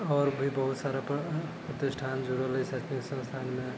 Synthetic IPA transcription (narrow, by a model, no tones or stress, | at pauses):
ɔːɾbʱibəɦut̪saɾappət̪esʈʰand͡ʒuɾələisatĩsə̃ŋst̪ʰanme